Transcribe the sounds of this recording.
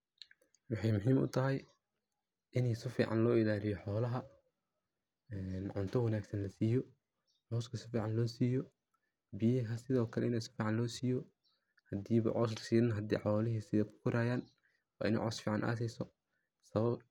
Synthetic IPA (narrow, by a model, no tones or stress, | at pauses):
wɑħɑjmʊɦiːmʊ̰t̪ʰɐɦɐj | ʔɪnɛjsɪfḭːʕɑ̰nlɔːɪlaːlɪjɔħɔːlɐɦɐ | ɛːnʕʊnt̪ʰɔwɑnaːɡsɐnlɐsiːjɔ | mɔːskʰɐsɪfiːʕɑnlɔːsiːjɔ | bijɛɦɐsɪðɔːkʰɐlɛɪnɛjsɪ̥fiːʕɑnlɔːsiːjɔ | hɐd̪iːβɐ̰ʕɔs̬rsiːɪnɦɐd̪ḭːħɔːlɪɦisɪðɐkʰʊ̥kʰʊɾaːjaːn | wɑ̰ːʔɪ̰nɛ̰jʕɔsfiːʕɑnʔa̰ːs̬ɛsɔ | sɐβɐb